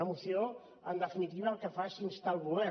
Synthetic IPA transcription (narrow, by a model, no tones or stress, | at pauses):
əmusio | ənd̪əfinit̪iβəːlˠkəfasinst̪alˠβuβɛ